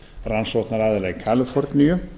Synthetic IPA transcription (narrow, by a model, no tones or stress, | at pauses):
ɾansɔt̪naɾaðəlɛɡkʰaləfɔɾt̪nyːə